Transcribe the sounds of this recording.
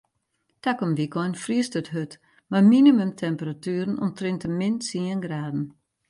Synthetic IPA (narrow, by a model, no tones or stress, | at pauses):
takɔmʋikɔjnfriəstətɦøt | maminimymtʰɛmpəratyːəɾənɔ̰mtrɪntəmɪnsiənɡraːdn̩